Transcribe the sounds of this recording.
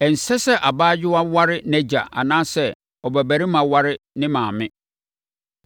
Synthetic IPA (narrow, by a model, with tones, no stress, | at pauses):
ɛ˨n̩˨sɛ˦sɛ˦ʔa˨baː˦d͡ʑɪ˦wa˦wa˦ɾɪ˦næ˦d͡ʑa̰˨ʔa̰˨nãː˦sɛ˦˨ | ɔ˨bæ˨bæ˨ɾɪ˦mã˨wa˦ɾɪ˦nɪ̃˦mãː˨mɪ̃˦